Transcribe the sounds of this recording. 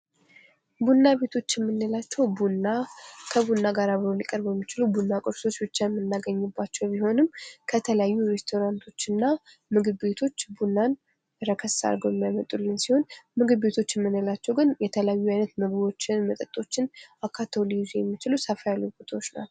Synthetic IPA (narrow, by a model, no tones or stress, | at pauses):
bunːaβe̞t̪ʰo̞t͡ʃːjɛmːɨnːəlat͡ʃːɛwbunakʰəβunːaɡaɾaβɨɾolikʼəɾbjɛmːit͡ʃɪlubunːakʼɨɾso̞t͡ʃːbɨt͡ʃːajɛmːɨnːaɡəɲːɨbːat͡ʃːɛwbiho̞nɨmkʰət̪ʰələjajːuɾe̞st̪ʰo̞ɾant̪ʰo̞t͡ʃːɨnːa | mɨɡɨbbet̪ʰo̞t͡ʃːbunːan | ɾəkʰəsa̰ɾɡowjɛmːjajmət̪ʼulːɨnsiho̞nmɨɡɨbbe̞t̪ʰo̞t͡ʃːɛmːɨnːəlat͡ʃːɛwɡɨnjɛt̪ʰələjajːuajnət̪mɨɡbo̞t͡ʃːɪnmət̪ʼət̪ʼo̞t͡ʃːɪnʔakʰat̪ʰolizjɛmːit͡ʃɪlusafajalːojbot̪ʰawot͡ʃːna̰